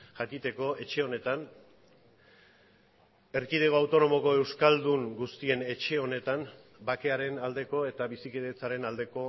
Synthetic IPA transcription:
ʝakit̪e̞ko̞e̞t͡ʃe̞o̞ne̞t̪an | e̞ɾkið̞e̞ɣoawt̪o̞no̞mo̞ko̞e̞wskald̪uŋɡust̪ie̞ne̞t͡ʃe̞o̞ne̞t̪am | bake̞aɾe̞nald̪e̞ko̞e̞t̪aβisikeðet͡saɾe̞nald̪e̞ko̞

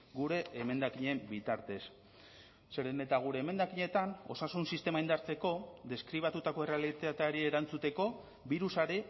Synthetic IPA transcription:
ɡuɾe̞ːme̞nd̪akiɲe̞mbit̪aɾt̪e̞sː | e̞ɾe̞ne̞t̪aɣ̞uɾe̞ːme̞nd̪akiɲe̞t̪ano̞̰sasunsist̪e̞maind̪aɾt͡se̞ko̞d̪e̞skɾiβ̞at̪ut̪ako̞e̞re̞alit̪at̪aɾie̞ɾant͡sut̪e̞ko̞ | biɾusaɾe

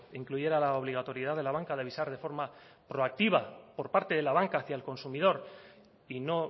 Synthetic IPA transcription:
iŋkluʝe̞ɾalao̞βliɣat̪o̞ɾjeð̞aðe̞laβaŋkaðeβ̞isaɾðe̞fo̞ɾma | pɾo̞ak̚t̪iβapo̞ɾpaɾt̪e̞ðe̞laβ̞aŋkaːθjaelko̞nsumið̞o̞ɾ | ino̞

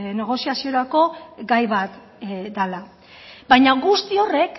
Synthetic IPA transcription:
ne̞ɣ̞o̞siasio̞ɾako̞ɡajβat̪ | d̪ala | bajɲaɣust̪io̞re̞k

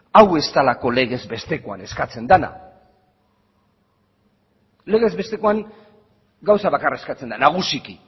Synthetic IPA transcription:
awe̞st̪alako̞le̞ɣ̞e̞zbe̞st̪e̞ko̞a̰ne̞skat͡se̞nd̪ana̰ | le̞ɣe̞zβe̞st̪e̞koaŋ | ɡawsaβakaraeskat͡send̪anaɣ̞usiki

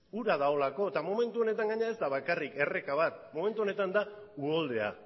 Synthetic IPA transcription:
uɾaðao̞lako̞t̪amo̞me̞nt̪uo̞ne̞t̪aŋɡaɲeae̞zd̪aβ̞akarike̞re̞kaβ̞at̪mo̞me̞nt̪uo̞ne̞t̪and̪a | uo̞ld̪e̞a̰

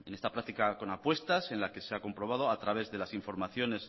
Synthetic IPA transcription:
e̞ne̞st̪apɾakt̪ikako̞napwe̞st̪ase̞nlake̞seako̞mpɾo̞β̞að̞o̞at̪ɾaβe̞zðe̞lasiɱfo̞ɾmaθjo̞ne̞s

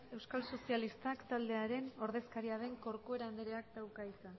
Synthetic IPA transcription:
e̞wskalso̞sialist̪akt̪ald̪e̞aɾe̞no̞ɾðe̞skaɾiað̞e̞ŋko̞ɾkoe̞ɾand̪eɾeak̚t̪awkaisan

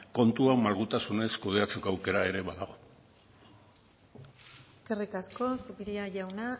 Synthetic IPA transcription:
ko̞nt̪uamalɣ̞ut̪asune̞skuð̞e̞at͡sekoawke̞ɾae̞ɾe̞βaðaɣ̞o̞ | eske̞rikasko̞sβiɾiaʝawna

